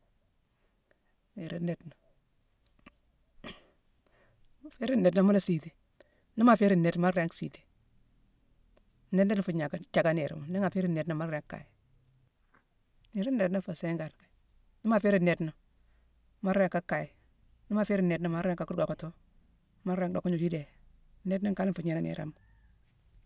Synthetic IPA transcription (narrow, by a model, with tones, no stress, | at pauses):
ni˨ɾi˦ne˨tno˨ | a˨fe˦ɾi˦ne˨tno˨˦m˦la˦si˨ti˨ | ni˦ma˦˨fe˦ɾi˦nːe˨tma˦ɾɾa˦ŋksḭ˨ti̥˨˦ | ne˦ne˦no˨fu˨ɲa˨ka˦t͡ʃa˨ka˦ne˨ɾḭ˨mo˨ni˦ŋa˨fe˦ɾi˦ne˨tno˨ma˦ɾɾe˨ŋkːa̰˨ji˨ | ni˨˦ɾi˦nːe˨tno˦fo˨se˦ŋɡa˨ɾ | ni˦ma˨fe˦ɾi˦ne˨tno˨ | ma˦ɾa˨ŋka˦kːa˨ji˨ | n˦ma˨fe˦ɾi˦ne˨tno˦ma˦ɾa˦ŋka˨kɡo˨ko˨to˦ | ma˦ɾa˦ŋdo˨kːo˦ɲu˨d͡ʒi˦de˨ | ne˦t̬na˦ka˦lfu˨ɲe˦na˦nḛ˨ɾa̰˨˦m